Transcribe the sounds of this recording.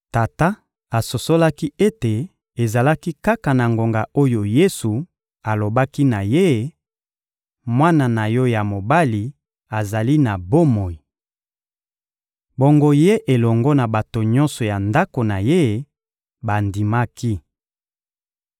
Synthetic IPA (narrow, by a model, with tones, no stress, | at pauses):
ta˨ta˦ | a˨so˨so˦la˦ki˦e˦te˨ | e˨za˨la˦ki˦ka˦ka˨na˨ŋɡo˨ŋɡa˨o˦jo˨je˦su˨ | a˨lo˨ba˦ki˦na˨je˦ | mwa˦na˨na˨jɔ˦ja˨mo˨ba˦li˨ | a˨za˨li˦na˨bo˦mo˨i˨ | bo˨ŋɡo˦je˦ʔe˨lɔ˨ŋɡɔ˦na˨ba˨to˨ɲɔ̃˦nsɔ˨ja˨nda˦ko˨na˨je˦ | ba˨ndi˨ma˦ki˦